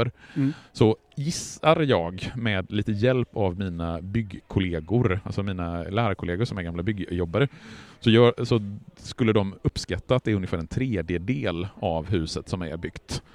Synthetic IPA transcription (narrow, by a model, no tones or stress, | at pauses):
əɾsɔ | jɪsaɾjɑːɡmɛd̪liːt̪əjɛlpavmiːnabʏɡkʰʊleːɡʊɾalsɔmiːnalæːɾaɾkʰʊleːɡəʂɔmæɾɡamlabʏɡːjɔbːaɾəsɔjœːsɔskɵlːəd̪ɔmɵpːskat̪ːaːt̪̚d̪ɛɾɵnjəfæːɾɛnt̪ʰɾeːd̪jəd̪eːlavɦʉ̟ːsət̪sɔmæ̰ɾbʏɡ̥t̪